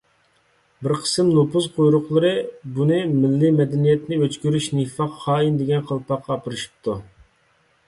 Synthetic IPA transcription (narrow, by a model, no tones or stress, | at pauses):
bɪɾqʰə̥sɨmnopuzqʰojɾʊqlˠɨɾɨbunɨmɪlːimɛd̪ɛnijɛt̪nɪøt͡ʃkʲyɾyʃnifɑqːɑːind̪ɪɡʲɛnqʰəlˠpɑqːɑːpɨɾɨʃi̥p̚t̪ʰu